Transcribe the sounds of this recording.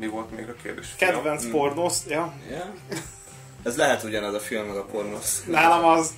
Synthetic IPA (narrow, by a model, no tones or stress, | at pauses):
mivo̞lt̪mḛːɡɒkḛːrd̪ḛːʃkɛd̪vɛnspornosjɒjɛ | ɛzlɛɦɛt̪uɟɒnɛzɒfilmːɛɡɒpo̞rnosnaːlɒmɒz